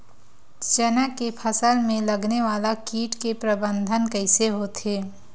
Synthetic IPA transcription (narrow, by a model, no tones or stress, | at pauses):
t͡ʃənəkepʰəsəlmẽlɐɡneʋaːlakiːʈkepɾəbə̃nd̪ʱənkəɪseɦot̪ʰeː